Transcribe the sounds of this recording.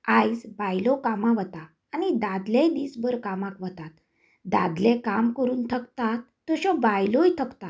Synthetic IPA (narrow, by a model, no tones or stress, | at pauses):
ajsbajlɔkamãʋət̪aː | nid̪ad̪lẽd̪iːsbəɾkamãkʋət̪at̪ | d̪ad̪lẽkamkəɾuːnt̪ʰəkt̪at̪ːɔɕɔbajlojt̪ʰəkt̪a